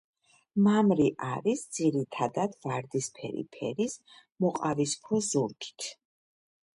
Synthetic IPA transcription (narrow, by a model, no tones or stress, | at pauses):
mamɾiʔaɾisd̪z̥iɾit̪ʰad̪ad̪̥vaɾd̪ispʰɛ̰ɾḭpʰɛ̰ɾis | mɔqʼavispʰɾɔzuɾkʰʼi̥t̪ʰ